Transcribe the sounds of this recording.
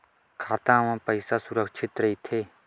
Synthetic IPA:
kʰaːt̪ãːʋãːpəɪsasʊɾəkʃʰɪt̪ɾɐɦit̪ʰeː

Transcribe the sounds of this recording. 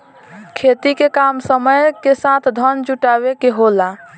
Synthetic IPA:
kʰet̪ikekamsəməjkesat̪ʰd̪ʱənd͡ʒuʈaβekeɦola

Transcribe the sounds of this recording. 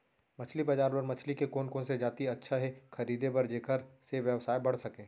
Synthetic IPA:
mɐt͡ʃʰlibɐd͡ʒaːɾpɐɾmɐt͡ʃʰlikekoːnkõnsed͡ʒaːt̪iɐtːʃʰaɦɛxʰɐɾiːd̪ebɐɾd͡ʒeːkəɾseʋjəʋsaːebɐɽ̤sɐkẽː

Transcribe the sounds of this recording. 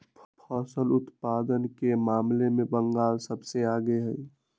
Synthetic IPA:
ppʰɔːsəlʊt̪paːd̪ənkemaːmlemẽbə̃ŋɡaːlsəbseaːɡeɦə

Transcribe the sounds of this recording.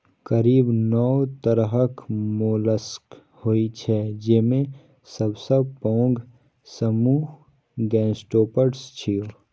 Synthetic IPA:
kɐɾiːbnɔwt̪əɾɦəkmoːləsk | hoːit͡ʃʰɛd͡ʒɪmẽ | sɐbsəbpɔ̃ːŋɡ | səmuːɦ | ɡɛ̃ːsʈoːpəɖst͡ʃʰio

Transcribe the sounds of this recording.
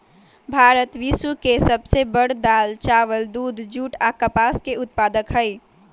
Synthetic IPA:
bʱaːɾət̪ʋisukesəbsebəɽd̪aːlt͡ʃaːʋəld̪uːd̪ʱd͡ʒuːʈakəpaːskeʊt̪̚paːd̪əkɦəi

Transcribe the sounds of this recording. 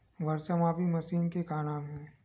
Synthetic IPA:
ʋɐɾsəmaːpimɐsiːnkekaːnaːmɦɛ̃ː

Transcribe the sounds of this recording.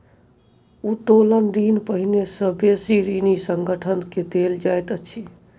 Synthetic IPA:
ut̪olənɖinpəɦinesə̃besiɾinisəŋɡəʈʰənked̪eld͡ʒajt̪ət͡ʃʰi

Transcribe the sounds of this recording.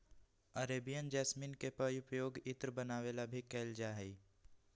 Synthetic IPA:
əɾeːbijənd͡ʒɛːsminkepəʊpəjoːɡɪt̪ɾbənaːʋeːlabʱikɛːld͡ʒaːɦɛi

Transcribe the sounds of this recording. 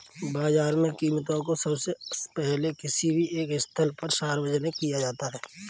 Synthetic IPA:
baːzaːɾmẽkiːmt̪̬õkosɐbsepɛɦlekɪsibʱiʔeːkɪst̪ʰəlpəɾʃaːɾwəd͡ʒənekijad͡ʒaːt̪aɦɛː

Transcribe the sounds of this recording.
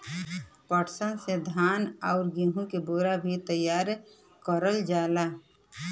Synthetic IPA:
pəʈsənsed̪ʱaːnɔʊɾɡĩɦũkeboːɾabʱit̪əjaːɾ | kəɾəld͡ʒaːla

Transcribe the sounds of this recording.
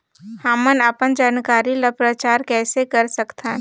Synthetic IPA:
hãmənapənd͡ʒaːnkaːɾilapɾət͡ʃaːɾkɛːsekɐɾsɐkt̪ʰa

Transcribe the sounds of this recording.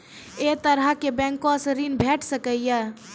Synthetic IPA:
et̪əɾəkebɛ̃ŋkosɾinbʱeʈsəkəjjə

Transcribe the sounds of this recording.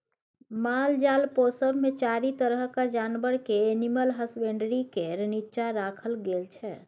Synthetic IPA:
mald͡ʒalposəbmet͡ʃaɾit̪əɾəɦkad͡ʒanbəɾkeeniməlɦəsbeɳɖɾikeɾənitːt͡ʃaɾakʰəlɡelt͡ʃʰɛ

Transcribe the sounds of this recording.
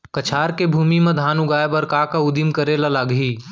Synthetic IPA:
kɐt͡ʃʰaːɾkebʱuːmimɐ̃d̪ʱaːnuɡaːebɐɾkaːkaʊd̪imkəɾelalaːɡɦiː

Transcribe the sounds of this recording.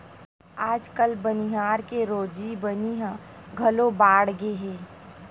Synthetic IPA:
aːd͡ʒkəlbəniɦaːɾkeɾoːd͡ʒibəniɦə̃ɡʱɐlobaːɽɡeɦeː

